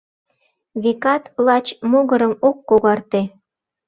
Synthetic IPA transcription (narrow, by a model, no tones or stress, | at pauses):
βekɑt̪lɑt͡ɕmoɣəɾəmokːoɣɑrt̪e